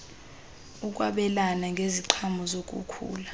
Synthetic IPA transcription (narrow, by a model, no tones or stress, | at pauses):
uk̬ʼwa̰ɓɛlanaŋɡʱeziǃʰamɔzok̬ʼṵkʰṵːla